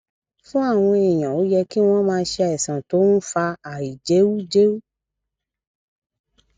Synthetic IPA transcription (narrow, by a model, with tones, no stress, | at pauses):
fũ˦a˦˨w̃ɔ̃˧e˨j̃ã˨o˨˦jɛ˧ki˦w̃ɔ̃˦mãː˧˦ʃe˧a˨ɛ˨sã˨to˨˦n̩˦fa˧a˨i˨d͡ʒe˨˦wu˦d͡ʒe˦wu˦